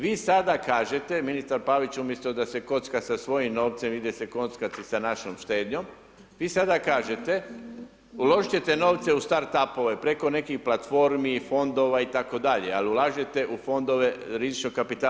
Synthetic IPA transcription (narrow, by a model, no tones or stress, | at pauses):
ʋiːsad̪akaːʒe̞t̪e̞minist̪aɾpaːʋit͡ɕumje̞st̪od̪ase̞ko̞t̪skasasʋo̞jimno̞ːʋt̪se̞mʋid̪jese̞ko̞t̪skat̪isanaʃomʃt̪e̞ːd̪ɲo̞m | ʋiːsad̪akaːʒe̞t̪e̞ | ulo̞ʒit͡ɕe̞t̪e̞no̞ːʋt̪se̞ust̪aɾt̪apo̞ʋe̞pɾe̞ko̞ne̞kixplˠat̪fo̞ɾmifo̞nd̪o̞ʋait̪ako̞d̪aʎe̞̰aliulaːʒet̪e̞ʔufo̞nd̪o̞ʋe̞ɾizit͡ʃnokapit̪aː